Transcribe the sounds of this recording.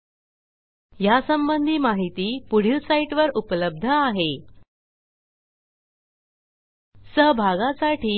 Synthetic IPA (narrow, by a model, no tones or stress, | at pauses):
jasəmbənd̪ʱiːmaɦit̪iːpuɽ̤jisaiʈʋəɾupələb̚d̪ʱəaɦe | səɦbʱaɡasaʈʰiː